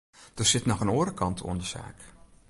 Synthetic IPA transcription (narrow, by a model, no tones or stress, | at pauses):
d̥ərsɪtnɔxənoːɾəkɑntʰṵəndəsa̰ːk